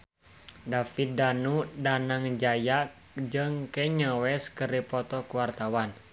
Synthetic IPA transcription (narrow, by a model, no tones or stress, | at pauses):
dafidanudanaŋd͡ʒajak | d͡ʒɨŋkɛɲəwɛskəɾipɔt̪ɔkuwart̪awan